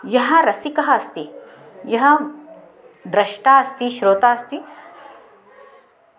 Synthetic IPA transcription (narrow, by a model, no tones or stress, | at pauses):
jɐɦɐɾɐsikɐɦɐɐst̪i | jɐɦɐ̆ | d̪ɾɐʃʈaːɐst̪iʃɾoːt̪aːɐst̪i